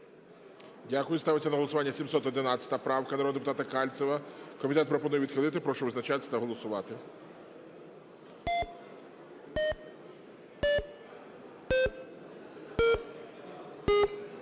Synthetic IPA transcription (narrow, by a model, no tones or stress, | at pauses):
dʲakʊjʊst̪ɑʋɪt͡sʲːɐnɐɦɔlˠɔsʊʋɑnʲːɐsʲimsɔt̪ɔd̪ɪnɑt͡sʲɐ̥t̪ɐpɾɑwkɐnɐɾɔd̪d̪epʊt̪ɑt̪ɐkɑlʲt̪sʲɛʋɐkɔmʲit̪ɛt̪pɾɔpɔnujɛid̪xɪlˠɪt̪ɪpɾɔʃɔʋɪznɐt͡ʃat̪sɐt̪ɐɦɔlˠɔsʊʋɑt̪ɪ